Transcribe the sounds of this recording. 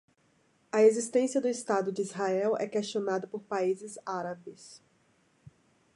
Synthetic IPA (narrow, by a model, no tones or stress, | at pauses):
ɐezist̪ẽsijɐd̪ʊist̪ad̪ʊd͡ʒɪizɦaɛwɛ̰kest͡ʃionad̪ɐpoɾpaizɪzaɾabɪs